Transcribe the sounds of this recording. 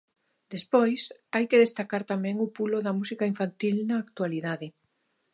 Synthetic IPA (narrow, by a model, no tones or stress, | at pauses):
d̪̥espojsajkeðest̪akaɾt̪amɛ̃ŋʊpuloðɐmusikaiɱfant̪ilnɐːk̚t̪waliðaðɪ